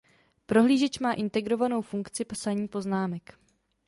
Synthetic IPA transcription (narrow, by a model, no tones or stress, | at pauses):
pɾo̞ɦliːʒɛt͡ʃmaːʔɪnt̪ɛɡɾo̞vano̞wfuŋkt͡sɪpsaɲiːpo̞znaːmɛk